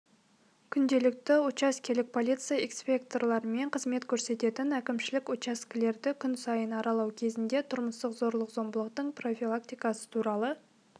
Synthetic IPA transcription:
kʲʰʏnd̪e̞lɪk̚t̪ɪot͡ʃaskʲelɪk̚pʰo̞lit̪sɨjaekspʲe̞k̚t̪o̞rlˠɑɾəme̞ɴqʰəzme̞t̪kʲʰɵɾse̞t̪e̞t̪ɪnækʲɪmʃɪlɪkot͡ʃaskʲɪle̞ɾd̪ɪkʲʰʏnsɑjənɑɾɑlˠɑwkʲʰe̞zɪnd̪e̞t̪ʰʊɾməst̪əqzo̞ɾlˠəqzo̞mbəlˠəqt̪əɴpro̞fʲilˠak̚t̪ijkɑsə̥t̪ʰuɾɑlˠə

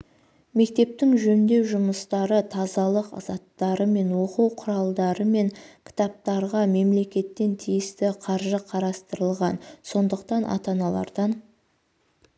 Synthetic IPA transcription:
me̞k̚t̪e̞p̚t̪ɪŋʒɵnd̪e̞wʒʊməst̪ɑɾət̪ʰɑzɑlˠəqɑ̰zɑt̪ːɑɾəme̞nwo̞quwqʰʊɾɑlˠd̪ɑɾəme̞ŋkʲʰɪ̥t̪ɑp̚t̪ɑɾʁɑme̞mle̞kʲe̞t̪ːe̞nt̪ʰijɪst̪ɪqʰɑɾʒəqʰɑɾɑst̪əɾəlˠʁɑnso̞nd̪əq̚t̪ɑnʔɑ̰t̪ɑnɑlˠɑ̰ɾd̪ɑn

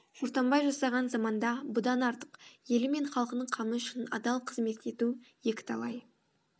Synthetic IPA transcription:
ʒ̥oɾt̪ɑmbɑjʒɑsɑʁɑnzɑmɑnd̪ɑbʊd̪ɑnɑɾt̪ə̥qje̞lɪme̞ɴχɑlˠqənəɴqʰɑməʏʃɪnɑ̰d̪ɑlˠqʰəzme̞t̪e̞t̪u | je̞kʲɪ̥t̪ʰɑlˠɑj

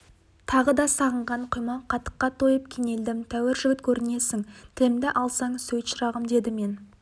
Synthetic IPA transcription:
t̪ʰɑʁəd̪ɑsɑʁəɴʁɑɴqʰjmɑqʰɑt̪ə̥qːɑt̪ʰo̞jəp̚kʲʰeŋe̞ld̪ɪmt̪ʰæwɪɾʒʏɡʲɪt̪kʲʰɵɾɪne̞sɪŋt̪ʰɪlɪmd̪ɪʔɑlˠsɑɴsɵjt̪ʃəɾɑʁəmd̪e̞d̪ɪme̞n

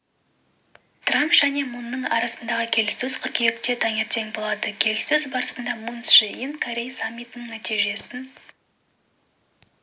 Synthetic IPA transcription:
t̪rampʒ̥æne̞munːəɴɑ̰ɾɑsənd̪ɑʁəkʲʰe̞lɪsɵz̥qʰʏɾkʲʰejekt̪e̞t̪ʰɑŋe̞ɾt̪ʰe̞ŋbo̞lˠɑd̪əkʲʰe̞lɪsɵzbɑɾəsənd̪ɑmunsʃiinkʰoɾʲejsamʲːijt̪ənəŋnæt̪ijʒe̞sɪn

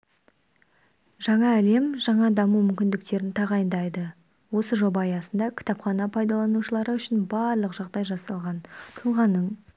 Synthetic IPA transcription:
ʒɑɴɑæle̞mʒɑɴɑd̪ɑmumʏmʲkʲɪnd̪ɪkt̪e̞ɾɪnt̪ʰɑʁɑjənd̪ɑjd̪ə | wo̞səʒo̞bɑːjɑsənd̪ɑkʲʰt̪ɑpχɑnɑpʰɑjd̪ɑlˠɑnuʃəlˠɑɾəʏʃɪnbɑɾlˠəqʒɑʁd̪ɑjʒɑsɑlˠʁɑnt̪ʰəlˠʁɑnːəɴ

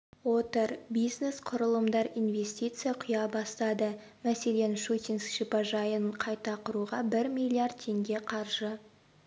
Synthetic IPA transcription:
wo̞t̪əɾbijzne̞sqʰʊɾəlˠəmd̪ɑɾijnve̞sʲt̪ʲijt̪sɨjaqʰʊjɑbɑst̪ɑd̪ə | mæse̞le̞nʃut̪ʲinskʃipɑʒɑjəɴqʰɑjt̪ɑqʰʊɾuʁɑbɪɾmilʲijard̪̚t̪ʰe̞ŋɡʲe̞qʰɑɾʒə

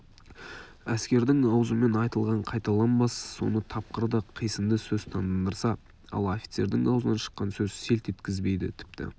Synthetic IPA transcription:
æskʲe̞ɾd̪ɪŋɑwzəme̞nɑjt̪əlˠʁɑɴqʰɑjt̪ɑlˠɑnmɑsːo̞̰nət̪ʰɑp̚qəɾd̪əqʰijsəmd̪əsɵzt̪ʰɑnd̪ɑnd̪əɾsɑ | ɑ̰lˠo̞fi̥t̪se̞ɾd̪ɪŋɑwzənɑnʃə̥qːɑnsɵzse̞lt̪et̪kʲɪzbe̞jd̪ɪ̰t̪ʰɪ̥p̚t̪ɪ̰

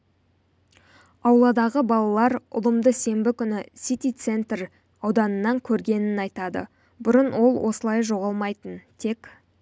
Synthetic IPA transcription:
ɑwlˠɑd̪ɑʁəbɑlˠɑlˠɑɾʊ̰lˠəmd̪əse̞mbɪkʲʏnɪsʲit̪it̪se̞nt̪r | ɑwd̪ɑnənːɑŋkʲʰɵɾɡʲe̞nɪnɑjt̪ɑd̪ə̰ | bʊɾənwʔo̞lˠwʔo̞səlˠɑjʒo̞ʁɑlˠmɑjt̪ənt̪ʰe̞k

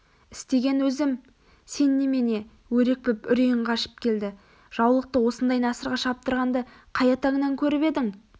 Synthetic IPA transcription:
ɪst̪e̞ɡʲe̞nwɵzɪm | se̞nːeme̞ne̞ | wɵɾe̞k̚pɪpʏɾijɪɴqʰɑʃə̥p̚kʲʰe̞ld̪ɪ | ʒ̥ɑwlˠəq̚t̪əwo̞sənd̪ɑjnɑsəɾʁɑʃɑp̚t̪əɾʁɑnd̪ə | qʰɑjɑt̪ɑŋənɑŋkʲʰɵɾɪpe̞d̪ɪŋ

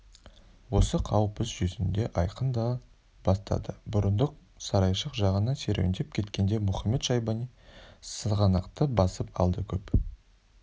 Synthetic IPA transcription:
wo̞səqʰɑwpəsʒɵzɪnd̪e̞ʔɑjqənd̪ɑ | b̥ɑst̪ɑ̰d̪əbʊɾənd̪əq̚ | sɑɾɑjʃəqʒɑʁənɑse̞ɾewnd̪ep̚kʲʰe̞t̪kʲe̞nd̪e̞mʊχɑmːe̞t̪ʃɑjbɑnisəʁɑnɑqt̪əbɑsəpɑ̰lˠd̪əkʲʰɵp

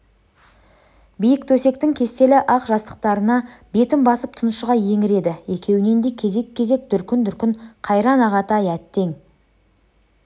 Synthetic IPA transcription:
bijɪkt̪ʰɵse̞k̚t̪ɪŋkʲʰe̞st̪e̞lɪʔɑqʒɑst̪ə̥q̚t̪ɑɾənɑbe̞t̪ɪmbɑsəp̚t̪ʰʊnəʃəʁɑje̞ŋɪɾe̞d̪ɪe̞kʲe̞wne̞nd̪e̞kʲʰe̞ze̞kʲʰːe̞ze̞k̚d̪ʏɾkʲɪnd̪ʏɾkʲɪnqʰɑjɾɑnɑʁɑt̪ʰɑjæt̪ːe̞ŋ

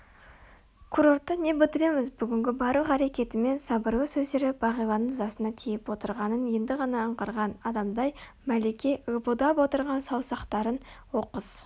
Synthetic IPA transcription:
kʰuɾo̞ɾt̪ːəne̞bɪt̪ɪɾe̞mɪzbʏɡʲɪŋɡʲɪbɑɾuəqæɾe̞kʲe̞t̪ɪme̞nsɑbəɾləsɵzd̪eɾɪb̥ɑʁijlˠɑnəɴzɑsənɑt̪ʰijɪpwo̞t̪əɾʁɑnənje̞nd̪ɪʁɑnɑːɴqəɾʁɑnɑd̪ɑmd̪ɑj | mæle̞kʲe̞əbud̪ɑpwo̞t̪əɾʁɑnsɑwsɑqt̪ɑɾənwo̞qəz̥

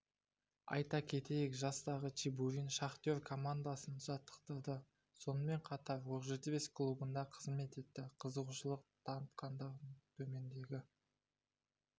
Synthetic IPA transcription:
ɑ̰jt̪ɑkʲʰe̞t̪e̞jɪkʒɑst̪ɑʁətʰibuɾinʃɑχt̪eɾkʰo̞mand̪asənʒɑt̪ːə̥qt̪əɾd̪ə | so̞nəme̞ɴqʰɑt̪ɑɾwoqʒet̪ɪbe̞sklˠubənd̪ɑqʰəzme̞t̪e̞t̪ːɪqʰəzəquʃəlˠəq̚t̪ʰɑnət̪qɑnd̪əʁəɴt̪ʰɵme̞nd̪e̞ɡʲɪ

